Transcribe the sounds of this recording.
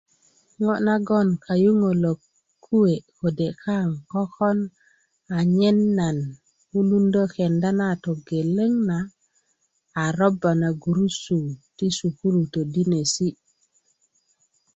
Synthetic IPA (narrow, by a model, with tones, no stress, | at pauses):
ŋo˦na˦ɡɔ˦˨nka˨ju˦ŋo˨lo˨kʰː | u˦we˨ko˨de˨kʰa˦ŋkɔ˦kɔ˦n | a˨ɲe˦nːa˨n | u˦lu˦ndo˦ke˨nda˦na˦˨t̪o˨ɡe˨le˦ŋna˨ | ɾɔ˦ba˨na˨ɡu˨ɾu˦su˨ti˦su˨ku˦ɾu˨t̪o˨di˦ne˨si˦